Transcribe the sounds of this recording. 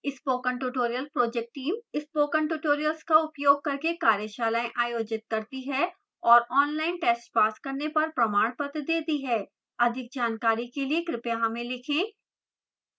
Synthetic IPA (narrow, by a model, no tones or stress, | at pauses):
ɪspoːkə̃ɳʈuːʈoːɾijəlpɾoːd͡ʒɛk̚ʈːiːmɪspoːkə̃ɳʈuːʈoːɾijəlskaʊpjoːɡ̚kɐɾkekaːɾjəʃaːlaːẽʔaːjoːd͡ʒɪt̪̚kɐɾt̪iɦɛː | ɔːɾɔːnlaːɪnʈeːsʈpaːskɐɾnepɐɾpɾɐmaːɽ̃pɐt̪d̪eːt̪iɦɛː | ɐd̪ʱɪk̚d͡ʒaːnkaːɾikeliekɾɪpjaɦɐmẽlɪkʰẽː